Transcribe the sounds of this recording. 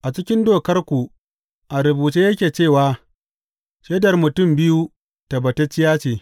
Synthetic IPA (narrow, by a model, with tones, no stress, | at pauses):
ʔa˨t͡ʃɪ˦kʲɪ˦ndoː˦˨kɐ˦rkʷu˨ | ʔa˨ɾʊ˨buː˨t͡ʃeː˦jɐ˦kʲeː˨t͡ʃeː˦˨waː˨ | ʃe˦dɐ˨rmʊ˨tʊ˦˨mbɪ˦ju˦ | ta˨bɐ˨te˦t͡ʃɪ˦jaː˦t͡ʃeː˨